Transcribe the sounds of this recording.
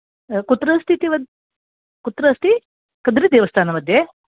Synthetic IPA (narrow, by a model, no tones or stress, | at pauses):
kut̪ːɾɐst̪ʰit̪iʋɐd̪ | kut̪ɾɐst̪ʰi | kɐd̪ɾid̪eːʋɐst̪ʰaːnɐmɐd̪ʱje